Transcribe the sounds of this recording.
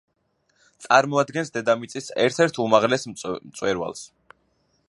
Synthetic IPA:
t̪sʼaɾmɔad̪ɡɛnsd̪ɛd̪amit̪sʼisɛ̰ɾt̪ʰɛɾt̪ʰumaʁlɛsmt̪sʼwɛɾwa̰lˠs

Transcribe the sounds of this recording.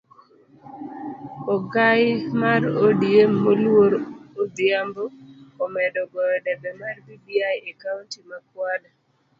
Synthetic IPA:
ɔɡajmaɾodiemːolwoɾod̪ɪamboːmɛdɔɡɔjɔdɛbɛmarbibiajekauntimakwada

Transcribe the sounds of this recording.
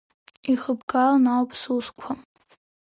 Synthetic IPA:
iχəbɡalnawpʰsuskʷʰa

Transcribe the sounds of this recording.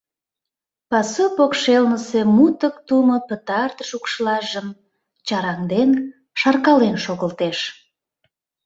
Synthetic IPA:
pɑsopokʃelnəsemut̪əkt̪umopət̪ɑrt̪əʃukʃəlɑʒəm | t͡ɕɑɾɑŋd̪en | ʃɑrkɑlenʃoɣəlt̪eʃ

